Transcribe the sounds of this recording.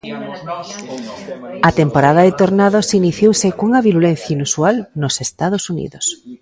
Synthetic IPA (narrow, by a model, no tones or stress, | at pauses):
at̪empoɾaðaðet̪oɾnaðosiniθjowsɪkuŋaβiɾulen̟θjainusualnosest̪að̞osunḭðos